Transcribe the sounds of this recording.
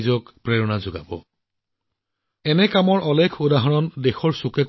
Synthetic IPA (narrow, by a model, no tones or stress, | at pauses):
zɔkpɹɛɹɔnazʊɡabɔ̰ | ɛnɛkamɔɹʔɔlekʰudaɦɔɹɔndexɔɹsukɛk